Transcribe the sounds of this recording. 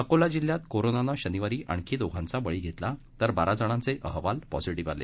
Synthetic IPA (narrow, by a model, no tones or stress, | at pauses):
əkolad͡ʑilːjat̪koɾonanaɕəniʋaɾiːʔʔə̰ɳ̃kʰiːd̪oɡʱãnt͡sabəɭiːɡʱet̪la | t̪əɾbaɾad͡zəɽ̃ãnt͡seʔəɦʋalpɔ̰siʈiʋalḛ